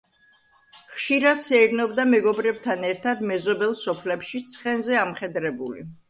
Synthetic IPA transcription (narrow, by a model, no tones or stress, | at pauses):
χʃiɾad̪sɛɾnɔbd̪amɛɡɔbɾɛbt̪ʰanɛɾt̪ʰad̪mɛzɔbɛlˠsɔpʰlɛpʃit̪sʰχɛnzɛamχɛd̪ɾɛbulḭ